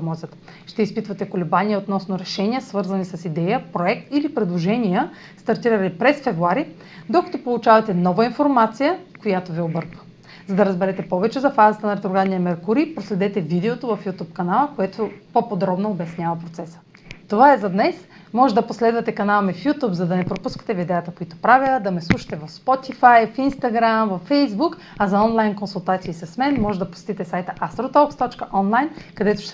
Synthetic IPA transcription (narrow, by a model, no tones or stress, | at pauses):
mɔzʲət̪ | ʃt̪ɛispit̪vɐt̪ɛkolɛbaniəot̪nɔsnʊɾɛʃɛnʲiəsvɤɾzɐnisɐsid̪ɛjəpɾoɛk̚t̪ilipɾɛd̪lˠoʒɛnijə | st̪ɐɾt̪iɾəɾipɾɛsfɛvɾuaɾi | d̪okɐ̥t̪opolˠut͡ʃavɐt̪ɛnɔvɐinfoɾmat̪sijəkojat̪oviobɤɾkvə | zɐd̪ɐɾɐzbɛɾɛt̪ɛpɔvɛt͡ʃɛzɐfazɐt̪ənɐɾɛt̪ɾoɡanijəmɛɾkuɾipɾoslɛd̪ɛt̪ɛvid̪ɛot̪ovɐfjut̪up̚kɐnalˠəkoɛt̪opopod̪ɾɔbnoːbɐsnʲjavɐpɾot̪sɛsə̥ | t̪ovaɛzɐd̪nɛs | mɔʒɛd̪ɐposlɛd̪vɐt̪ɛkɐnalˠmɛfjut̪upzɐd̪ɐnɛpɾopuskə̥t̪ɛvid̪ɛət̪əkoit̪o̥pɾavʲəd̪ɐmɛslˠuʃɐ̥t̪ɛvɐfspɔt̪ifajfinst̪ɐɡɾamvɐfːɛjzbuk | ɐzɐɔnlˠajnkonsulˠt̪at̪siːsɐsmɛnmɔʒɛd̪ɐpo̥sɛ̥t̪it̪ɛsajt̪əʔast̪ɾot̪ɔkst̪ɔt͡ʃkəʔɔnlˠajnkɐd̪ɛt̪o̥ʃt̪